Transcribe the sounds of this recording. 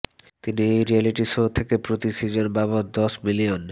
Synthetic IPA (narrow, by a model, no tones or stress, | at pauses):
t̪iniejɾialiʈiʃot̪ʰekepɾot̪isid͡ʑonbaβot̪̚d̪ɔsmilion